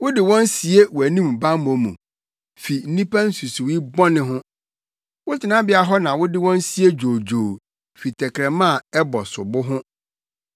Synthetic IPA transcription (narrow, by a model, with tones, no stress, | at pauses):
wʊ˦dɪ˨wɔ̃˦n˦si˨e˦wæ˨nĩ˦m˨bã˦m˦mõ˨˦mṵ̃˨ | fi˨n̩˦nĩ˦pʰa˦n̩˦su˨si˨wi˦bɔ̃˦nɪ̃˦ɦʊ̃˦ | wʊ˦tʰɪ˨nã˦bɪ˦a˦ɦɔ˦nã˨wʊ˦dɪ˦wɔ̃˦n˦si˨e˦d͡ʑoː˨d͡ʑoː˨ | fi˨tʰɛ˨kʰɾɛ˨mã˦˨ɛ˦bɔ˨sʊ˨bʊ˦ɦʊ̃˦